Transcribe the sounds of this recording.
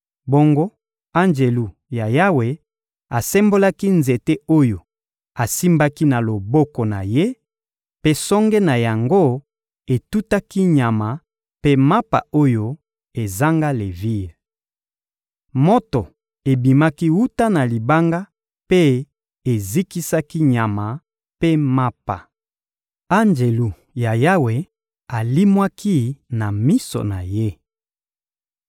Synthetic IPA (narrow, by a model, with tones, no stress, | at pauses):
bo˦ŋɡo˦ | a˦nd͡ʒe˨lu˨ | ja˨ja˦we˨ | a˨sɛ˦mbo˦la˦ki˦nze˨te˦o˦jo˨ | a˨si˦mba˦ki˦na˨lo˨bo˦ko˨na̰˨je˦ | pe˦sɔ˦ŋɡe˦na˨ja˨ŋɡo˦ | e˨tu˦ta˦ki˦ɲa˨ma˨ | pe˦ma˦pa̰˨o˦jo˦ | e˨za˦ŋɡa˦le˨vi˦˨ | mo˦to˨ | e˨bi˨ma˦ki˦wu˦ta˦na˨li˨ba˦ŋɡa˦ | pe˦ | e˨zi˦ki˦sa˦ki˦ɲa˨ma˨ | pe˦ma˦pa˨ | a˦nd͡ʒe˨lu˨ | ja˨ja˦we˨ | a˨li˦mwa˦kʰi˦na˨mi˦so̰˨na˨je˦